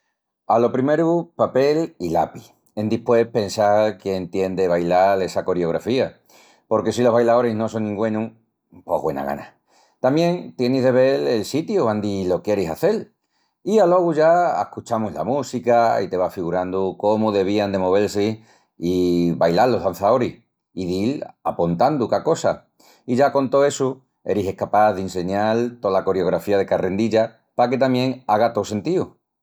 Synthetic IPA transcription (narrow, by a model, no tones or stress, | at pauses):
alo̞pɾime̞ɾupape̞lila̰pi | e̞nd̪ihpwe̞pe̞nsalkjent̪je̞nd̪eβajlale̞sako̞ɾjo̞ɣ̞ɾa̰fia | po̞ɾke̞s̬ilo̞ɦβajlaðo̞ɾeɦno̞s̬o̞nːĩŋɡwẽ̞nũ | po̞̰ɦɣwe̞̰na̰ɣa̰na | t̪amjẽ̞ŋt̪jeniɦðe̞β̞e̞le̞lsit̪juand̪ilo̞kje̞ɾesaθe̞l | ialo̞ɣ̞uʝaḛhkut͡ʃamuɦla̰musikaḭt̪e̞β̞afiɣuɾand̪uko̞muðe̞β̞iand̪e̞mo̞β̞e̞lsi | iβajlalːo̞ɦðan̟θao̞ɾih | iðila̰punt̪and̪ukako̞sa | iʝako̞nt̪o̞e̞su | e̞̰ɾise̞hkapaððinse̞ɲalt̪olako̞ɾeo̞ɣ̞ɾafiað̞e̞karʔe̞nd̪iʎa | pake̞t̪amje̞ŋaɣ̞at̪o̞se̞nt̪iu